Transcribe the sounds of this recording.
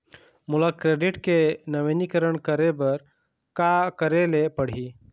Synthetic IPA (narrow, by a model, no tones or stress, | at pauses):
mulakɾeɖiʈkenəʋenikəɾəɳkəɾebəɾ | kakəɾelepəɽ̤i